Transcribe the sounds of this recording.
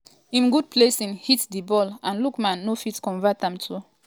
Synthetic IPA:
ĩmɡud̚pʰlesĩŋhitdibɔlãnlukmãnːofitkɔ̃nvatɛ̃mtʰu

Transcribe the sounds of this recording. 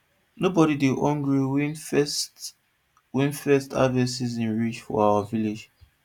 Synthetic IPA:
nobɔɾideʔɔ̃ŋɡɹiwin | wĩnfɛsta̰vɛsis̬ĩnɹit͡ʃfɔ̰awaviled͡ʒ

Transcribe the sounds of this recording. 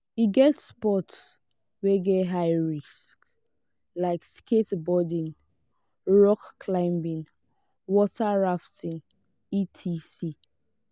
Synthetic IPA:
iɡɛtspɔts | wɛɡɛtɦaɪɹisk | laɪksketbɔdĩn | ɹɔkːʰlãɪ̃mbĩŋ | wɔtaɹaftʰĩn | itʰisi

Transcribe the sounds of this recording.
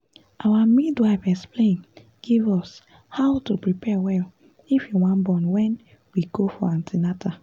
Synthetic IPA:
ʔawamidwaɪvɛksplẽn | ɡ̥ivɔs | haʊtupɹipʰɛwɛl | ifjiwɔ̃nbɔ̃nwɛ̃n | wiɡofɔãntʰinata

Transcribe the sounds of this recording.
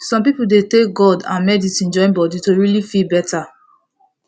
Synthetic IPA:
sɔ̃mp̬ipuldetek̚ɡɔdã̰nmɛditĩnd͡ʒɔ̃ɪ̃nbɔditoɹilifilbɛta

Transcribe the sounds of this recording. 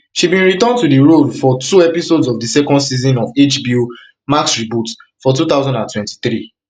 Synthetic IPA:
ʃibĩnɹitɔ̃ntudiɹodfɔtuɛpisodsɔvdisɛkɔ̃ndsizɔ̃nɔvet͡ʃbiu | maksɹibut | fɔt̬ut̪aʊzɔ̃ndãntwɛ̃nti̥θɹi

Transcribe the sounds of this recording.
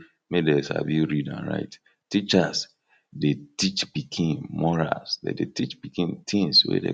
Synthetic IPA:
medesa̰vuɹidã̰nɹa̰ɪt | tit͡ʃas | detit͡ʃbikʰẽmmɔɹa̰lsdḛdetit͡ʃb̥ikẽmt̪ʰĩŋswɛ̰dḛ

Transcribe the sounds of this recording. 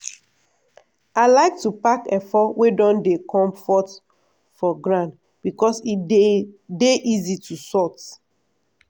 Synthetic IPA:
aɪlaɪk̚tupakɛfɔwedɔ̃ndekʰɔ̃mfɔt | fɔɡɹãnt | b̥ikɔsiedeʔizitʰusɔt

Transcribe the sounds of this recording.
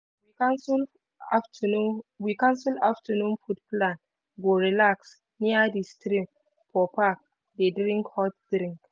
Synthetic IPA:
wikansl | aftnuwikãnsilaftanũnfutplãn | ɡoɹilaks | niadistɾim | fɔpak̚ | dedɾĩŋkhɔt̚d̥ɾĩŋk

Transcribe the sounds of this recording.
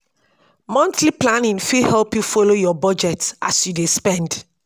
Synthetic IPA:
mɔ̃ntliplanĩnfihɛlpjufolojɔbɔd͡ʒɛtasjudespɛ̃nd

